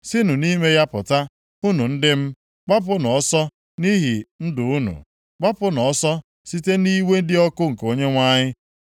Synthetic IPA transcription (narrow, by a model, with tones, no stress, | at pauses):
sɪ˦nu˨ni˦me˦ja˦pʊ˨ta˦ | u˦nu˨n̩˦dɪ˦m̩˦ | k͡pa˦p̬ʊ˦nɔ˨ɔ˦sɔ˦ | ni˦ɦi˨n̩˦dʊ˨u˦nṵ˨ | k͡pa˦pʊ˦nɔ˨ɔ˦sɔ˦ | si˦te˦ni˦we˦n̩˦dɪ˦ɔ˦kʊ˦ŋ̩˨ko˦ɲe˦ŋʷa˦ɲɪ˦